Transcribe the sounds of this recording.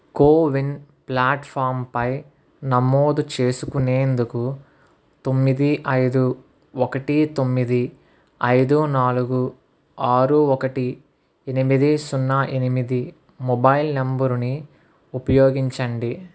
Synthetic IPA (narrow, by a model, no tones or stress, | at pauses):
koːʋinplaːʈpʰaːɾmpɐj | nɐmːoːd̪ut͡ʃe̞ːsukune̞ːnd̪uku | t̪o̞mːid̪iʔɐjd̪u | ɔkɐʈit̪o̞mːid̪i | ɐjd̪unaːluɡu | aːɾuɔkɐʈi | enimid̪isunːɐʔenimid̪i | mɔbɐjlembɐɾuni | upɐjoːɡiɲt͡ʃɐɳɖi